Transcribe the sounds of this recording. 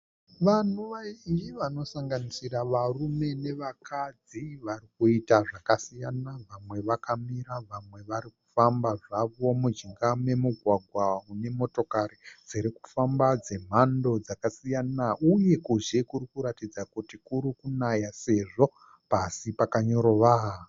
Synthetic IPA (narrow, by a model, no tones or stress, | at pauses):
ʋan̤uʋaijiʋano̞saŋɡanisiɾaʋarume̞ne̞ʋakʰad͡ziʋarikuitaʐakasijanaʋamwe̞ʋakamiɾaʋamwe̞ʋaɾiku̥fambaʐaʋo̞mud͡ʒiŋɡame̞muɡʱwaɡʱwaune̞mo̞to̞kaɾid͡ziɾeku̥fambad͡ze̞m̤ando̞d͡zakasijanaʔuje̞kuʒekurikuɾatid͡zakutikuɾikunajase̞ʐo̞ | pasipakaɲo̞ɾoʋaɦa